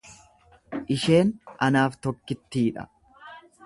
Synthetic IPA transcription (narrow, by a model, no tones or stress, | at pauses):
ʔɪʃe̞ːnʔɐnaːft̪ɔkːɪt̪ːiːᶑɐ̰